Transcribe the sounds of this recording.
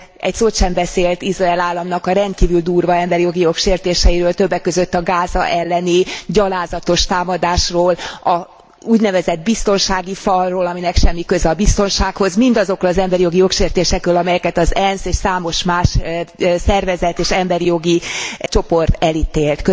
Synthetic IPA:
ɛ̰csoːt̪ʃɛmbɛseːlt̪iʃraɛlaːlːɒmnɒkɒɾɛnt̪̚kiːvyld̪uːrvɒɛmbɛɾijo̞ɡijo̞kʃeːrt̪eːʃɛjiɾøːlt̪ø̞bːɛkːø̞zøt̪ːɒɡaːzɒ̰ʔɛlːɛniɟɒlaːzɒt̪o̞ʃt̪aːmɒd̪aːʃroːlɒ | uːɟnɛvɛzɛd̪̚bist̪o̞nʃaːɡifɒlːoːlɒminɛkʃɛmːikøzɒbist̪o̞nʃaːkho̞zmind̪ɒzo̞kɾolɒzɛmbɛɾijo̞ɡijo̞kʃeːrt̪eːʃɛkrøːlɒmɛjɛkɛt̪ɒzɛnseːʃsaːmo̞ʃmaːʃsɛrvɛzɛt̪eːʃɛmbɛɾijo̞ɡit͡ʃo̞po̞rt̪ɛlit̪eːlt̪kø

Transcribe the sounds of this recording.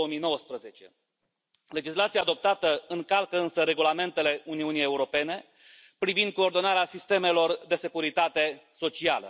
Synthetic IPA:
omijno̞wəspɾəze̞t͡ʃe̞̰ | le̞d͡ʒislat̪siaːd̪o̞p̚t̪at̪əɨŋkalkəɨnsəɾe̞ɡulame̞nt̪e̞le̞uniunije̞uɾo̞pe̞ne̞ | pɾivind̪̚koːrd̪o̞naɾeasist̪e̞me̞lo̞rd̪e̞se̞kuɾit̪at̪e̞so̞t͡ʃialə̰

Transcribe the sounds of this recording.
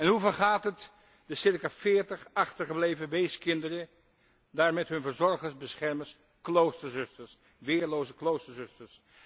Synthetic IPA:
ɛnɦuvəɹχaːtɦət | dəsɪɹkafɪːɹtəχɑχtəɹχəblejvəʋejskɪndərə | daːɹmɛtɦɵnvəɹzɔɹχəɹzbəsχɛɹməs | klowstəɹzʏstəɹs | ʋɪːɹlowzəklowstəɹzɵstəɹs

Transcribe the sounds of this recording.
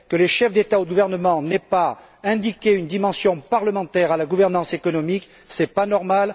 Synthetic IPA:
kələʃɛfd̪et̪aoɡuvɛʁnəmɑ̃nɛpa | ɛ̃d̪ikʲeynd̪imɑ̃sjɔ̃paʁləmɑ̃t̪ɛʁalaɡuvɛʁnɑ̃sekɔnɔmik | sɛpanɔʁmal

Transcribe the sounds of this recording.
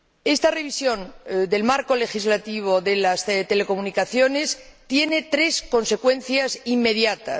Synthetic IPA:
e̞st̪are̞βisjõ̞nd̪e̞lmaɾko̞le̞xizlat̪iβ̞o̞ðe̞last̪e̞le̞ko̞munikaθjo̞ne̞st̪je̞ne̞t̪ɾe̞sko̞nse̞kwe̞nθjasimːe̞ðjat̪a̰

